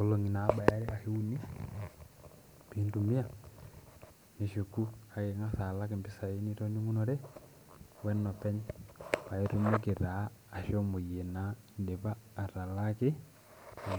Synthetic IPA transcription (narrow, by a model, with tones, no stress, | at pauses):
ɔ˦lo˨ŋi˨na˨˦ba˨ja˦ɾɛ˦a˨he˦u˦ni˦ | pi˦ndu˨mi˦a˦˨ | me˨ʃu˨ku˦a˨ke˨ŋa˦sa˨la˦k̬e˨mbi˦sa˨i˦ni˦tɔ˦ni˦ŋu˦nɔ˦ɾɛ˦ | wɛ˦nɔ˨pɛ˦ɲpa˨i˦tu˦me˦k̬e˨ɾaː˨˦˨ʃɔ˦mo˨je˨na˦nde˨βaː˦˨ɾa˨la˦kɪ˦˨